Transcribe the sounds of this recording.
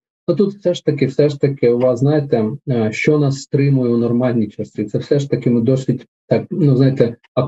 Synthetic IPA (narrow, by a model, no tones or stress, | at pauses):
nut̪ut̪wsɛʂt̪ɐkʲɪwsɛʂt̪ɐkʲɪʊʋɑsznɑjet̪ɛʃt͡ʃɔnɑsːt̪ɾɪmʊjʊʊnɔrmɑlʲnʲit͡ʃɐsʲit̪sɛwsɛʃt̪ɐkʲɪmɪd̪ɔsʲʋʲitʲ | t̪ɑk̚nuznɑjɪt̪ɛ | ɐ